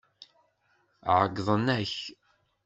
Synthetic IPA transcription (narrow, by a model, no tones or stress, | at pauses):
ʕəɡðˤənæç